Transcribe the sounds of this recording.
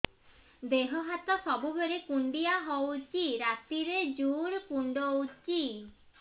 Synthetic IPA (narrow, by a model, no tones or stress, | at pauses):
d̪eɦɔɦat̪ɔsɔbubʱeɾekuɳɖijaɦowt͡ʃiɾat̪iɾed͡ʒuɾkuɳɖowt͡ʃi